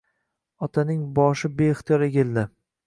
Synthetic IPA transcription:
ɒt̪ʰanɪŋbɒʃɪbeɪχt̪ʰijɒɾe̞kʲɪld̪ɪ

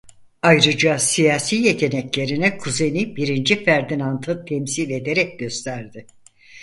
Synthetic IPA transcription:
ajɾɯd͡ʒasijaːsiːje̞t̪ʰe̞nɛclʲe̞ɾinikʰuze̞jnibiɾind͡ʒifæɾd̪inant̪ʰɯt̪ʰɛmsilʲe̞d̪e̞ɾɛc̚ɟø̞st̪ʰæɾd̪ɪ

